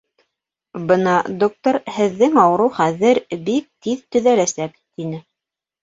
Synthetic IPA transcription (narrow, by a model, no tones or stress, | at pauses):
bɤnɑd̪ok̚t̪oɾhɘ̆ðːɘŋɑwɤ̆ɾɤwχæðɘɾbik̚t̪iðt̪ɵ̆ðælæsæk | t̪inɘ